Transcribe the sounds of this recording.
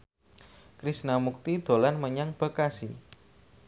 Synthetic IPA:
kɾisnamuk̚t̪id̪̥o̤lanməɲaŋb̥ə̤kasḭ

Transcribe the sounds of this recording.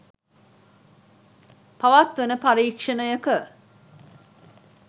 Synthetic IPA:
paʋat̪ʋenəpaɾiːkʂənəjəkə

